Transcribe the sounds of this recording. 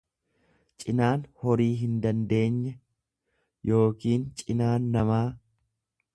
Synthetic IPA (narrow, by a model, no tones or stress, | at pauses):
t͡ʃʼɪnaːnhɔɾiːɦɪnd̪ɐnd̪e̞ːɲːɛ | jo̞ːkiːnt͡ʃʼɪnaːnːɐmaː